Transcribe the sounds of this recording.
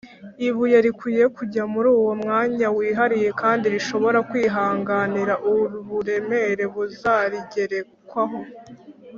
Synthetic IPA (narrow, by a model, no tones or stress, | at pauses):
iβujeɾikwiːje̞kuɟamuɾuːwo̞mŋaːɲawiːɦaɾije̞kaːndiɾiʃo̞βo̞ɾakwiːɦaːŋɡaniɾaʔuɾuβuɾe̞me̞ɾe̞βuzaɾiɟe̞ɾe̞kwaɦo̞